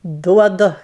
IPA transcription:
ˈduɔdʊ

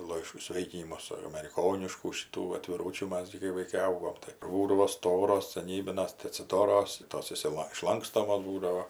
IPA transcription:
ˈlˠɐɪʃ ˈsʲʋʲeːɪkʲɪnʲɪmʊs ɐmʲɛrʲɪˈkoːnʲɪʃkuː ʃʲɪˈtuː ɐtʲʋʲɪˈruːt͡ʃʲuː ˈmɐs ɡʲɪ kɐɪ ʋɐɪˈkɐɪ ˈɐʊɡoːm tɐɪ ˈkʊr ʋɐ ˈstoːroːs sɐˈnʲiːbʲɪnɐs tɐɪ ɐtʲsʲɪˈdoːroːs ˈtoːs ɪʃʲsʲɪˈlˠɐ ɪʃˈlˠɐŋkstoːmoːs ˈbuːdɐʋoː

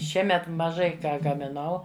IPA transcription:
ˈʃʲiɛmʲɛt mɐˈʒɐɪ ˈkɑː ɡɐmʲɪˈnɐʊ

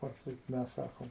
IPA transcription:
ˈoː ˈkɐɪp ˈmʲɛs ˈsɑːkoːm

